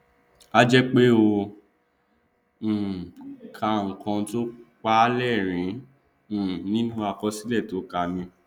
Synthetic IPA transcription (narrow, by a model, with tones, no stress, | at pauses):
a˦d͡ʒɛ˦k͡pe˦o˧˨ | kʰa˧˦ŋ̩˨kɔ̃˧to˦k͡pa˦lɛ˦˨ɾ̃ĩ˨˦˨ | nĩ˦nũ˦a˦˨kɔ˧si˦lɛ˦˨to˨˦ka˧mĩ˧